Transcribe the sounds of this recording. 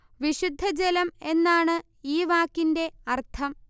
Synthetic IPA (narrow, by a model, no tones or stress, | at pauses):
ʋiɕud̪ʱːɐd͡ʑelɐme̞nːaːɳɨ | iːʋaːkːinde̞ɐrt̪ʰɐm